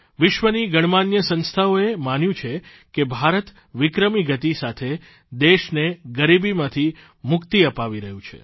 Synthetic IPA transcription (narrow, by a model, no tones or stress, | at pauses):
ʋɪʃʋəniɡəɽ̃manjəsə̃nst̪ʰaoemanjũt͡ʃʰe | kebʱaɾət̪ | ʋɪkɾəmiɡət̪isat̪ʰe | d̪eʃneɡəɾibimãt̪ʰi | mʊkt̪iəpaʋiɾəɦũt͡ʃʰḛ